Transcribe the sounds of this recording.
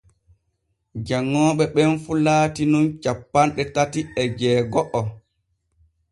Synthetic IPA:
d͡ʒaŋːɔːɓɛɓɛnfulaːtinunt͡ʃapːanɗɛtatiɛd͡ʒɛːɡɔʔɔ

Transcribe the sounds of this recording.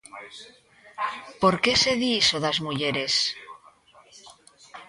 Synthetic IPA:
po̞ɾke̞se̞ðisoðazmuʝe̞ɾe̞s

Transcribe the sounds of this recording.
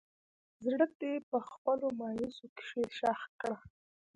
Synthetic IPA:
zɽək̚d̪epəxpəlomɑjisoke̥ʃeʃɑx̚kɽa

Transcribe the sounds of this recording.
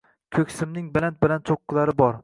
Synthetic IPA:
kʲʰɵkʲsɪmnɪŋbɪlant̪̚bɪlant͡ʃ̪ʰoqːɨlˠaɾɪbɒɾ

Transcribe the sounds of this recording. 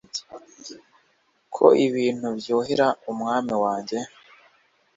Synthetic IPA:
kʰo̰ʔiβiːn̥hubjoːɦeɾaumŋaːmiwaːɲɟe̞

